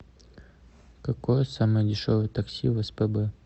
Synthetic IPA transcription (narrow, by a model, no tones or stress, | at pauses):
kɐkojəsamɨjədʲɪʂovəjət̪ɐksʲḭvɛspɛbə